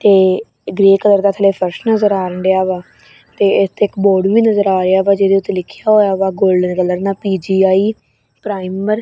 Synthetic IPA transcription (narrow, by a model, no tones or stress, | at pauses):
t̪eː | ɡɾeːkələɾd̪aːt̪ʰəleːpʰəɾsʈnəzəɾaːɾəɳɖeaːʋaː | t̪eːɪst̪eɪkboːɖʋiːnəzəɾaːɾeaːʋaːd͡ʒeːd̪eːʊt̪ːeːlɪkʰjaːɦoːjaːʋaːɡolɖneːkələɾnaːpiːd͡ʒiːaːiː | pɾaːiməɾ